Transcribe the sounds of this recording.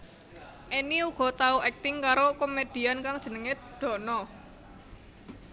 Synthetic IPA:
ʔiniuɡ̥ɔ̤t̪auɛk̚t̪ɪŋkaɾokomed̪̥i̤ankaŋd̥ʒ̥ənəŋɪt̪̚d̪̥ɔ̤nɔ

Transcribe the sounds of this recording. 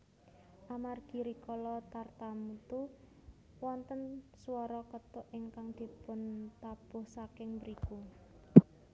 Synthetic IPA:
ʔamarɡ̥i̤ɾikɔlɔt̪art̪amut̪u | wɔnt̪ənsuwɔɾɔkət̪ʊʔiŋkaŋd̪̥i̤pʊnt̪ab̥ʊ̤hsakɪŋbəɾiku

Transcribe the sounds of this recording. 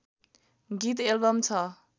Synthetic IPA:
ɡit̪elbʌmt͡sʰʌ

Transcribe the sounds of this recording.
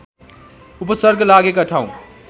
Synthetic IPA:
upəsəɾɡlaɡekaʈʰaũ

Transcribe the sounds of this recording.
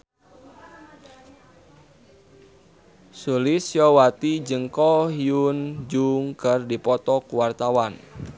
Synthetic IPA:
sulɪsjɔwat̪id͡ʒəŋkɔhiund͡ʒuŋkərdipɔt̪ɔkuwart̪awan

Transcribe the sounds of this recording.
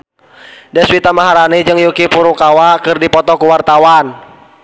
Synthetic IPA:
dɛswit̪amaɦaɾanid͡ʒɨŋjukipuɾukawakɨrdipɔt̪ɔkuwart̪awan

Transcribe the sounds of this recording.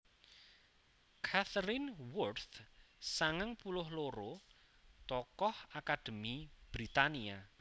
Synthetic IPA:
kʰat̪ɾɪnwʊrt̪saŋəŋpulʊɦloɾo | t̪ɔkɔhakad̪̥ə̤mib̥ɾit̪ania

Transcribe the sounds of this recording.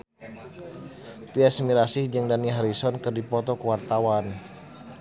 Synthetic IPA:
t̪iɛsmiɾasihd͡ʒəŋdaniɦaɾisɔnkɨrdipɔt̪ɔkəwart̪awan

